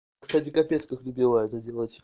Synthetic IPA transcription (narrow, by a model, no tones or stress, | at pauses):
kst̪atʲɪkɐpʲeskəxlʲʊbʲilˠaɛt̪ədʲe̞lˠətʲ